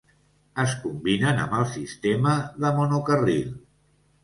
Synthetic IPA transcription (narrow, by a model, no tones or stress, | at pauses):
əskumbinənə̰mbəlˠsist̪eməðəmunukəril